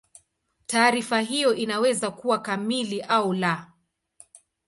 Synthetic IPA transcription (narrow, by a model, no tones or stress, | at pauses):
taːɾifaɦijɔʔinawɛzakuwakamiliʔaula